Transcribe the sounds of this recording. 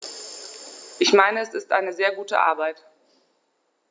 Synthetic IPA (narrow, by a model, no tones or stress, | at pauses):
ʔɪçmaɪnəɛsɪstʔa̰ɪnəzeːɐɡuːtə̰ʔa̰ɐbaɪt